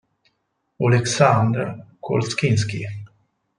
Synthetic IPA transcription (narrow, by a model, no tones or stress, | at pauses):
olɛksand̪ɾakʰo̰lskɪnskḭ